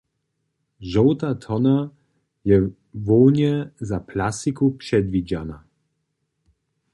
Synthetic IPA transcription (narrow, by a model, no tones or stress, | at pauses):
ʒɔwt̪at̪ʰɔna | jɛ | vɔwɲɛzapʰlasikupʂɛd̪vid͡ʑana